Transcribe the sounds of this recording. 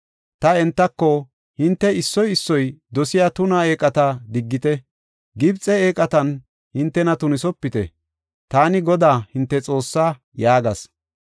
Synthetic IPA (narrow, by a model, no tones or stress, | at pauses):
t̪ɐɛnt̪ːɐkːɔ | hɪnt̪ːɛɪsːɔjɪsːɔjd̪ɔsɪjaːt̪ʊnae̞ːkʼɐt̪ɐd̪ɪɡːɪt̪ɛ | ɡɪbt͡sʼɛeːkʼɐt̪ɐn | hɪnt̪ːɛnɐt̪ʊnɪsɔpːɪt̪ɛ̰ | t̪aːnɪɡɔd̪aːhɪnt̪ːɛt͡sʼo̞ːsːaː | jaːɡɐs